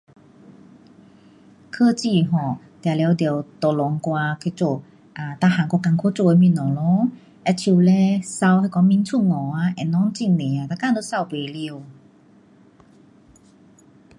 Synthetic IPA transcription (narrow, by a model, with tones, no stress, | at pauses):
kʰə˧t͡ɕi˧˨ɦɔ˨˩ | t̪ja˨˩lɛ˧wd̪e˨˩wt̪ɔ˨˩lɔ˨˦ŋkwa˧kʰe˧t͡so˧˨ | ʔa˨t̪a˧˩hã˨˩ŋkɔ˧ka˧˨ŋkʰo˧˦t͡so˧˨e˧mĩ˧˨nɔ˨˩lɔ˧˦ | ʔɛ˧t͡ɕʰu˧˨lɛ˧sa˧whe˧kɔ˧ŋmĩ˧˦nt͡sʰu˥˩˨ŋɔ˨˩a˧˦ʔɛ˨˩nɔ˧˦ŋt͡ɕi˧˨nnẽ˨a˨˩t̪a˧ka˧˥˧d̪o˧˦sa˧˨wpe˨˩li˧ə˧w